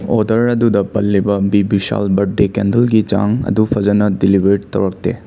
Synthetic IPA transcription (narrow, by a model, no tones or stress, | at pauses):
ɔdɐɾɐd̪ud̪ɐpɐlːibɐbibisa̰lbɐʈ̚ɖekendɐlɡid͡ʒa̰ŋɐ̰d̪upʰɐzɐnɐdilibʱeʈt̪ɐ̰wɾɐk̚t̪ḛ